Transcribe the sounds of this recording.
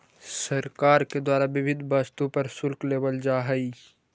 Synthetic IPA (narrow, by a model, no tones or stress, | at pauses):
səɾkaːɾked̪waːɾaʋɪʋɪd̪ʱbast̪ũpɐɾsʊlkleːʋəld͡ʒaːɦəi